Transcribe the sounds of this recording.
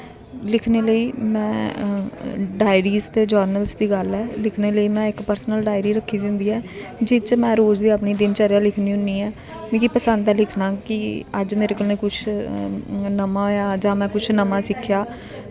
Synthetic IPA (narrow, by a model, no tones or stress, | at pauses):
lɪkʰneːləiːmɛ̃ː | ɖaːɪɾiːzt̪eːd͡ʒəːɾnəlsd̪iːɡəlɛːlɪkʰneːləiːmɛ̃ːɪkpəɾsnəlɖaːɪɾiːɾəkʰːiːd̪ɪ̃nd̪iːɛːd͡ʒɪt͡ʃmɛ̃ːɾoːd͡ʒd̪iːəpniːd̪ɪnt͡ʃəɾjaːlɪkʰniːɦʊniːɛː | mĩːkipəsə̃nd̪ɛːlɪkʰnãːkɪəd͡ʒmeːɾeːkəlneːkʊt͡ʃʰ | nəmãːɦojaːd͡ʒãːmɛ̃ːkʊt͡ʃʰnəmãːsɪkʰːjaː